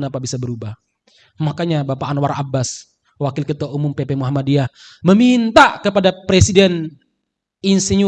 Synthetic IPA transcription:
napabisabəɾubah | makaɲabapaːnwaɾabːas | wakɪlkət̪aʔumʊmpepemuɦamadiah | məmint̪akəpadapɾesidɛn | insiɲu

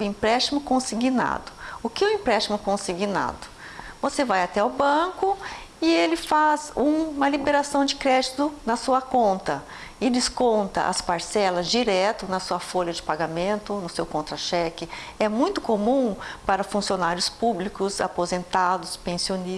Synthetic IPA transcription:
ĩpɾɛst͡ʃimʊkõsiɡina̰d̪ʊ̥ʊkɪʊĩpɾɛst͡ʃimʊkõsiɡina̰d̪ʊ | vosevajat̪ɛawbɐ̃kʊ | ɪelɪfazũmɐlibeɾasɐ̃w̃d͡ʒɪkɾɛd͡ʒit̪ʊnɐsuɐkõnt̪ɐ | ɪd͡ʒ̪ɪskõnt̪ɐ̰ʔɐ̰spaɾsɛlɐzd͡ʒiɾɛt̪ʊnɐsuɐfoʎɐd͡ʒɪpaɡamẽnt̪ʊnʊsewkõnt̪ɾɐʃɛkɪ | ɛmũj̃t̪ʊ̥komũpaɾɐfũsionaɾjʊspublikʊza̰pozẽnt̪ad̪ʊspẽsioni

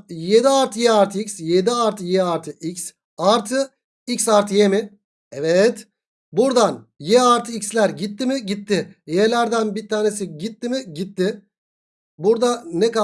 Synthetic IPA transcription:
jed̪iaɾt̪ʰɯjɛaɾt̪ʰɯicsjed̪iaɾt̪ʰɯjɛaɾt̪ʰɯʔics | aɾt̪ʰɯ | icsaɾt̪ʰɯjemɪ | ɛvɛt̪ | buɾd̪anjɛaɾt̪ʰɯicslʲæɾɟit̪ːimɪɟit̪ːɪjelʲæɾd̪ænbiɾt̪ʰaːne̞s̬iɟit̪ːimɪɟit̪ːɪ | buɾd̪anɛka

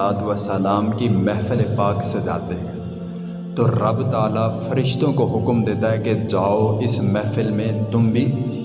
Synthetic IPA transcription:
aːt̪ʋəsəlaːmkimɛɦfəlepaːksed͡ʒa̰ːt̪eɦɛ̃ | t̪oɾɐbt̪aːlafɐɾɪʃt̪õkoɦʊkmd̪eːt̪aɦɛked͡ʒaːoɪsmɛɦfəlmẽt̪ʊmbʱi

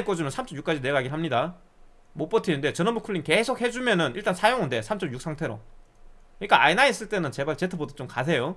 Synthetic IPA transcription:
k͈ʌd͡ʑimɯnsʰamt͡ɕ͈ʌmjuk͈ad͡ʑine̞ɡaɡiɭɦamɲida | mop͈ʌtʰininde̞t͡ɕʌnʌmbukʰuɭːiŋke̞sʰok̚he̞d͡ʑumjʌnɯnḭɭt͈ansʰajoŋɯnde̞sʰamt͡ɕ͈ʌmjuk̚s͈ʰaŋtʰe̞ɾo̰ | iik͈aa̰inais͈ɯɭt͈e̞nɯnt͡ɕe̞baɭt͡ɕe̞tʰɯbodʌt͡ɕ͈omkasʰe̞jo

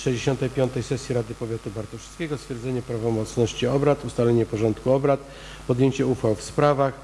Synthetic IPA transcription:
ʂɛjd͡ʑeɕɔnt̪ɛjpʲjɔnt̪ɛjsɛsʲjiɾad̪ɘpɔvʲjat̪ubaɾt̪ɔʂskʲeɡɔst̪fʲjɛɾd̪zɛɲɛpɾavɔmɔt̪snɔɕt͡ɕiɔbɾat̪ust̪alɛɲɛpɔʐɔnt̪kuɔbɾat̪ | pɔd̪jeɲt͡ɕɛufawfspɾavax

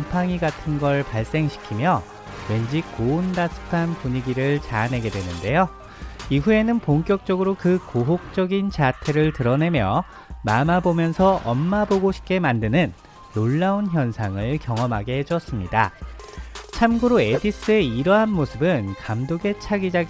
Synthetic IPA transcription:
mpʰaŋiɡatʰɯnɡʌɭpaɭs͈e̞ŋɕʰi̥kʰimjʌ | we̞nd͡ʑikondasʰɯ̥pʰanpuɲiɡiɾɯɭt͡ɕanɦe̞ɡe̞dwe̞nɯnde̞jo | iɦue̞nɯnpoŋkjʌk̚t͡ɕ͈ʌɡɯɾokɯkoɦok̚t͡ɕ͈ʌɡint͡ɕatʰe̞ɾɯɭtɯɾʌne̞mjʌ̰ | mamabomjʌnsʰʌʔʌnːaboɡoɕʰi̥p̚k͈e̞mandɯnɯnː | oɭːaunçjʌnsʰaŋɯɭkjʌŋʌmɦaɡeɦd͡ʑʌs͈ɯmɲida̰ | t͡ɕʰamɡɯɾoe̞dis͈ɯe̞iɾʌɦanmosʰɯbɯnkamdoɡe̞t͡ɕʰaɡid͡ʑa

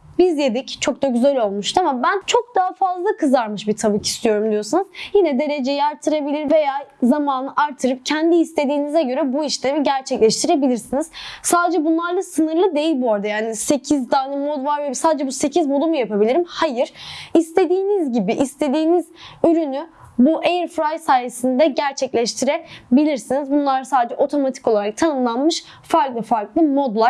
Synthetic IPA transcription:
bizjed̪ict͡ʃʰo̞k̚t̪aɟyzælʲo̞lˠmuʃt̪ʰamabænt͡ʃʰo̞k̚d̪aɦafazlˠakʰɯzaɾmɯʃbit̪ʰabɯcʰi̥st̪ʰijo̞ɾumd̪ijo̞sunɯzjinɛd̪e̞ɾe̞d͡ʒejɛaɾt̪ʰɯɾabilʲiɾve̞jaːzamaːnɯʔaɾt̪ʰːɯɾɯp̚cʰɛnd̪iːst̪ʰe̞d̪iːnizɛɟø̞ɾɛbuiʃlʲemiɟæɾt͡ʃʰɛclʲɛʃt̪ʰiɾe̞bilʲiɾsiniz̥saːd̪ed͡ʒɛbunlˠaɾlˠasɯnɯɾlˠɯd̪e̞jilʲbuoɾd̪ajaːnise̞cʰizd̪aːnɯmo̞d̪vaɾvɛsaːd̪ed͡ʒɛbuse̞cʰizbod̪ˠumujapabilʲiɾimhajɯɾ̥ist̪ʰe̞d̪iːnizɟibiʔist̪ʰe̞d̪iːnizyɾynybuʔejɾfɾajsaːjesind̪ɛɟæɾt͡ʃʰɛclʲɛʃt̪ʰiɾebilʲiɾsinizbunlˠaɾsaːd̪ed͡ʒɛʔo̞t̪ʰo̞mat̪ʰi̥kolˠaɾak̚t̪ʰanɯmlˠanmɯʃ | faɾklˠɯfaɾklˠɯmo̞d̪lˠa

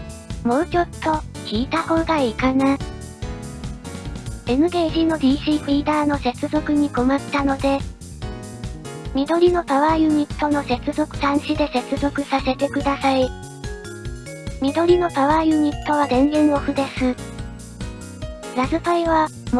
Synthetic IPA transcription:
mo̞ːt͡ɕʲo̞t̪ːo̞kʲiːt̪aho̞ːɡ̪aikana | e̞mɯ̟ɡe̞ːʑiːno̞d̪ʲiːɕiːpʲiːd̪aːno̞se̞t͡sɨzo̞kɯ̟ɲ̟iko̞mat̪ːano̞d̪e̞ | mʲid̪o̞ɾʲino̞paβaːjɯ̟ɲ̟it̪ːo̞no̞se̞t͡sɨzo̞kɯ̟̥t̪ãɰ̃ɕid̪e̞se̞t͡sɨzo̞kɯ̟sase̞t̪e̞kɯ̟d̪asai | mʲid̪o̞ɾʲino̞paβaːjɯ̟ɲ̟it̪ːo̞β̞ad̪ẽ̞ŋɾʲɯŋoɸɯ̟d̪e̞sɨ | ɾasɨpaiβam

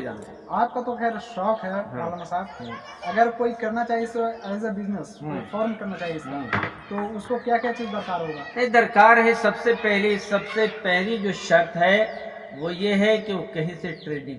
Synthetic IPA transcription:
d͡ʒa̰ːnt̪a | aːp̚kat̪oxɛːɾʃɔːkɦɛaːləmasaːb | ɐɡəɾkoːikɐɾnat͡ʃaːɦisoaːɪzabɪzneskoifɔːɾmkɐɾnat͡ʃaːɦiest̪oʊskokjaːkjaːt͡ʃiːzd̪ɐɾkaːɾɦoːɡanɐɦĩd̪ɐɾkaːɾɦɛsɐbsepɛɦlisɐbsepɛɦlid͡ʒoːʃɐɾt̪ɦɛ | ʋojeɦɛkeokɐɦĩseʈɾeːɖnĩŋ

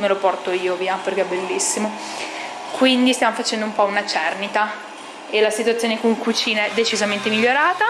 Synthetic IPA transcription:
melopɔrt̪oiːoviːaperk̟eɛbːelːisːimo | kwind̪ist̪jamofat͡ʃɛnd̪oumpɔunat͡ʃɛrnit̪a | elasit̪wat̪sːjoːnekuikut͡ʃiːnaɛd̪et͡ʃizament̪emiʎːoɾaːt̪a

